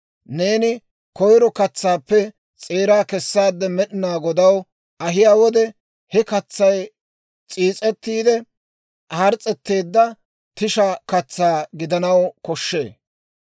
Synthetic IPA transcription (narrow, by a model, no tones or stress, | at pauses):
ne̞ːnɪ | kɔjɾɔkɐt͡sːaːpːɛ | t͡sʼeːɾaːkɛsːaːd̪ːɛmɛɗɪnaːɡɔd̪ɐw | ɐɦɪjaːwɔd̪ɛ | hɛkɐt͡sːɐj | t͡sʼiːt͡sʼɛt̪ːiːd̪ɛ | ɐɾt͡sʼɛt̪ːe̞ːd̪ːɐ | t̪ɪʃɐkɐt͡sːaːɡɪd̪ɐnɐwkɔʃːe̞ː